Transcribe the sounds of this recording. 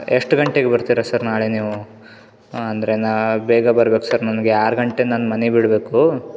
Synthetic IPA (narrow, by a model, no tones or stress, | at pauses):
eʂʈɡɐɳʈeɡebɐɾt̪iːɾɐsɐɾnaːɭeniːʋu | ɐnd̪ɐɾenabɛːɡabɐɾbeːkusɐɾnɐmɐɡeaːɾɡɐɳʈenaːnmɐnebiɽbe̞ːku